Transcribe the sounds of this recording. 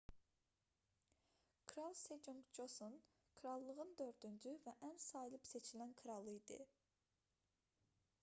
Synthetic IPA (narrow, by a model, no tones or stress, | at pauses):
kʰɾɑlˠsed͡ʒoŋkd͡ʒoson | kʰɾɑlˠːəʁɯnd̪øɾt̪ynd͡ʒʰyvɛʔɛnsɑjlˠɯpset͡ʃʰilɛnkʰɨɾɑlˠːɯid̪ɨ̰